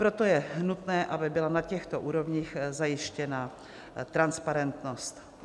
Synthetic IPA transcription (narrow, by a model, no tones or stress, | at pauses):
pɾo̞t̪o̞jɛnut̪nɛːʔabɪbɪlanacɛxt̪oʔuːɾo̞vɲiːxzajɪʃcɛna | t̪ɾanspaɾɛnt̪no̞st̪